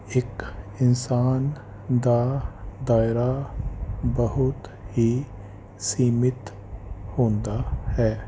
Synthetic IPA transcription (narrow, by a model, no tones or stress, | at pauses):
ekɪnsaːn | d̪ad̪aːɪɾa | bəɦʊt̪hi | siːmɪt̪ | hõːnd̪ahɛː